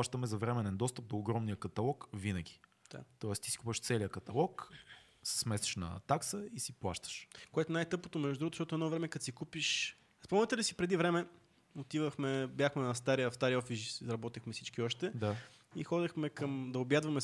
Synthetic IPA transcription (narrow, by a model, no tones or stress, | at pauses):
pˠaʃt̪əmɛzɐvɾɛmɛnɛnd̪ɔst̪əp̚d̪oːɡɾɔmniəkɐt̪ɐlˠɔkvinəɡ̟ʲi̥ | d̥̪a̰t̪ɔɛst̪i̥si̥kupəʃt̪sɛlijəkɐt̪ɐlˠɔk | sɛ̥smɛsɛ̥ʃnɐ̰t̪aksəisiplˠa̰ʃt̪ə̥ʃkoɛt̪ʊnajt̪ɤp̚kot̪omɛʒd̪d̪ɾuɡot̪zʃt̪ɔt̪ɛnɔvɾɛmɛkɐt̪sikupiʃ | spɔmnət̪ɛlisipɾɛd̪ivɾɛmɛ | ot̪ivɐxmɛbʲjaxmɛnɐs̬t̪aɾiɐfst̪aɾiɔfisʃzɾɐbɔt̪ixmɛsit͡ʃkiɔʃt̪ɛd̪a | ixɔd̪ɛxmɛkɐmd̪ɐobjad̪vɐmɛ